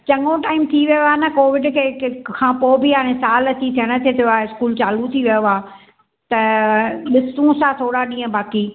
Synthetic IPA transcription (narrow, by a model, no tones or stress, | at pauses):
t͡ɕɐŋoʈaːɪmt̪ʰiʋijoaːnɐkoːʋɪɖkʰeːkʰãːpoːbɪãːẽsaːlɐt͡ɕit̪ʰijəɽ̃ə̆t̪ʰiet̪ʰijoaːeɪskuːlt͡ɕaːlut̪ʰiʋijoaː | t̪ɐɗɪsũsãt̪ʰoːɽaɗĩːə̃baːki